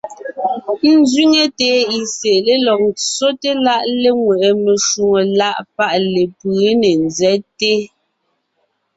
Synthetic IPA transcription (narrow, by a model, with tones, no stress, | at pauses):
n̩˦zɥi˦ŋe˨teː˨˦i˨se˨le˦lɔ˨k̚t͡so˦te˦la˦ʔle˦ŋwɛ˨ʔe˨me˨ʃu˨ŋo˨la˦ʔpa˦ʔle˨pɯː˨˦ne˨nzɛ˦te˦